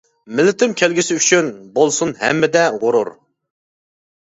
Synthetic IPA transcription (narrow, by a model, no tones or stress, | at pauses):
mɪlɪt̪ʰɪmkʲʰælɡʲiɪsɪyt͡ʃʰynbolˠsunɦɛ̰mːɪd̪ɛʁʊɾʊ̰ɾ